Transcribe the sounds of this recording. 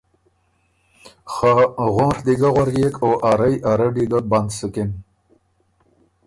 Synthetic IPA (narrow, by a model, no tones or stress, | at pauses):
xaɣoɾd̪iɡaɣwaɾɡeːkʰoʔaɾajaɾaɖiɡaband̪səken